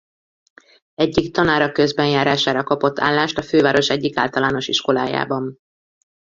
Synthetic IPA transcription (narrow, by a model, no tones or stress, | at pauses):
ɛɟːikt̪ɒnaːɾɒkøzbɛnjaːɾaːʃaːɾɒkɒpo̞t̪ʰːa̰ːlːaːʃt̪ɒføːvaːɾo̞ʃɛɟːika̰ːlt̪ɒlaːno̞ʃiʃko̞la̰ːja̰ːbɒm